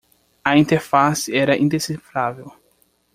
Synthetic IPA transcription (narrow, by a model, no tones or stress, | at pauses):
ɐĩnt̪eɾfasɪɛɾɐʔĩnd̪esifɾavew